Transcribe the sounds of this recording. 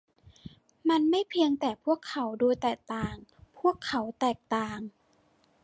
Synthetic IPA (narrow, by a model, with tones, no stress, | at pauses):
ma˧nma˥˩jpʰi˧əŋt̪ɛː˨˩pʰu˥˩əkʰːa˩˦wdoː˧jt̪ɛː˨˩k̚t̪aː˨˩ŋpʰu˥˩əkʰːa˩˦wt̪ɛː˨˩k̚t̪aː˨˩ŋ